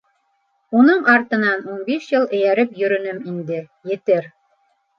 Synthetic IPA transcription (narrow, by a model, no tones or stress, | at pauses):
unɤɴʔɑɾt̪ɤ̆nɑnunbiʃjɤlˠɘ̆jæɾɘpjɵ̆ɾɵ̆nɵmind̪ɘ | jɘ̆t̪ɘɾ